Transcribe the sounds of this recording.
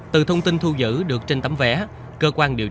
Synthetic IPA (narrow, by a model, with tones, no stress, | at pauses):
t̪ɨ̰˨˩t̪ʰə˧wŋ͡mt̪i˧nt̪ʰu˧zɨ̰˧˥ɗɨ˨˩ək̚t͡ɕe˧nt̪ə˧˦mvɛ̰˧˥ | kəː˧kwaː˧nɗi˨˩əw